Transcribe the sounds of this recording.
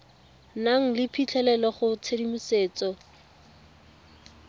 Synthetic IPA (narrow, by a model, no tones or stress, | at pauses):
naŋ̩lɪpʰit͡ɬʰɛlɛlɔχʊt͡sʰedimuseːt͡sɔ